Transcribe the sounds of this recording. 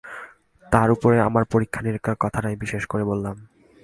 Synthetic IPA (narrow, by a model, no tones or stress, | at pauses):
t̪aɾupoɾeamaɾpoɾikʰːaneɾkakɔt̪ʰaʈajbiʃeʃkoɾebolːam